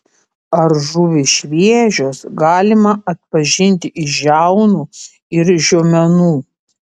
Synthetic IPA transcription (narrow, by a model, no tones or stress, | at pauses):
ɐɾʒʊʋʲɪʃʲʋʲiɛʒʲoːsɡɑːlʲɪmɐɐt̪̚pɐʒʲɪnʲt̪ʲɪʔɪʒæʊnuː | ɪɾʒʲumʲɛnuː